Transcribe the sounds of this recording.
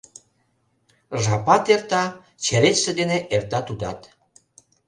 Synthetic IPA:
ʒɑpɑt̪ert̪ɑ | t͡ɕeɾet͡ɕsĕd̪eneʔert̪ɑt̪ud̪ɑt̪

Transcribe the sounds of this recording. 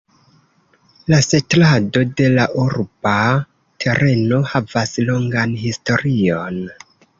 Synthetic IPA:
lase̞tlado̞de̞laʔuɾba | tʰe̞ɾʔe̞no̞havaslo̞ŋɡanhisto̞ɾio̞n

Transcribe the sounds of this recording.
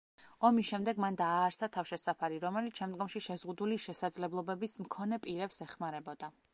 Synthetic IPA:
ɔmisʃɛmd̪ɛɡmand̪aːɾsat̪ʰafʃɛsapʰaɾiɾɔmɛlit̪ʃɛmd̪ɡɔmʃiʃɛzʁud̪uliʃɛsad̪zlɛblˠɔbɛbismkʰɔnɛpʼiɾɛpsɛχmaɾɛbɔd̪a

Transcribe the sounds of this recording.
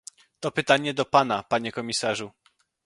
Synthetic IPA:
t̪ɔpɘt̪aɲɛd̪ɔpanapaɲɛkɔmʲisaʐu

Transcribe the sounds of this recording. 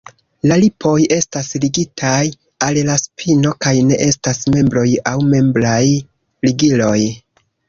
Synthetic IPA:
lalipʰo̞je̞stasliɡitʰaj | allaspʰino̞kajne̞̰ʔe̞stasme̞mbɾo̞jawme̞mblaj | liɡilo̞j

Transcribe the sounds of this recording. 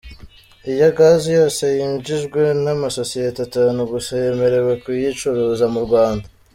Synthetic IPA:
ijaɡaːzijoːse̞jiːɲd͡ʒiʒɡwe̞namaso̞sietetanuɡusaje̞me̞ɾe̞wekwijit͡ʃoɾozamuɾɡwaːnda

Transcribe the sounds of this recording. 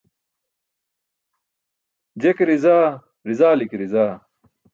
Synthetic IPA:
d͡ʑekɾizaː | ɾizaːlikɾizaː

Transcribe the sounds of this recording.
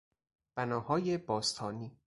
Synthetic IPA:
b̥ænɒːhɒːjebɒːst̪ʰɒːniː

